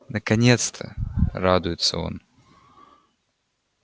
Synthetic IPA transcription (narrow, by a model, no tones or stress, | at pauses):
nəkɐnʲet̪st̪ʰə̰rad̪ʊjɪt̪sə̰o̞̰n